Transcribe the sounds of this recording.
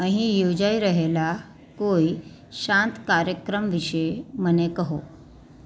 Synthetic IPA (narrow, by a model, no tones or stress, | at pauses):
ə̃ɦĩjod͡ʑaiɾəɦela | koi | ɕãnt̪kaɾjəkɾəmʋiɕemənekəɦo